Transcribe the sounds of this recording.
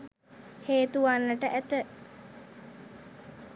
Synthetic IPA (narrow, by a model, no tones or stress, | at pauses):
heːt̪uʋanːəʈəʔæt̪ə